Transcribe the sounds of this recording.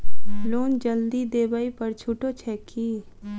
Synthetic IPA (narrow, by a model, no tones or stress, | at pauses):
loːnd͡ʒəld̪id̪eːbaipəɾt͡ʃʰuːʈot͡ʃʰɛːkʰːi